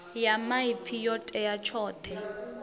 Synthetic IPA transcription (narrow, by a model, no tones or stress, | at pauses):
jamaipʰijɔtʼɛjat͡ʃʰɔːtʰɛ